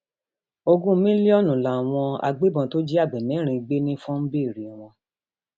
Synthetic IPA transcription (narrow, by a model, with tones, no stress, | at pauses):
o˧ɡũ˦mĩ˦li˦ɔ˦˨nũ˨la˨w̃ɔ̃˧a̰˧ɡ͡be˦bɔ̃˧to˦d͡ʒi˦a˦˨ɡ͡bɛ˨mɛ̃˨˦ɾ̃ĩ˧ɡ͡be˦nĩ˦fũ˦m̩˦be˦˨ɾi˨w̃ɔ̃˧